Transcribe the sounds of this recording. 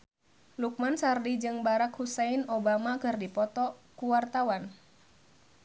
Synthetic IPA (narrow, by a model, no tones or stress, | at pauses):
luk̚mansardid͡ʒɨŋbaɾakhuseinobamakɨrdipɔt̪ɔkuwart̪awan